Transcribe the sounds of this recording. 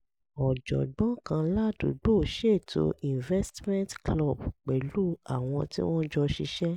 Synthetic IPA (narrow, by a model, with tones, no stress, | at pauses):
ɔ˨d͡ʒɔ̰˨ɡ͡bɔ̃˨˦kã˧la˦du˨ɡ͡bo˦˨ʃe˦˨tʰo̰˧ĩ˨vɛ˦stmɛ̃˦ntklɔ˦˨bk͡pɛ˨lu˦a˨w̃ɔ̃˧tḭ˦w̃ɔ̃˦d͡ʒɔ˧ʃi˧ʃɛ˦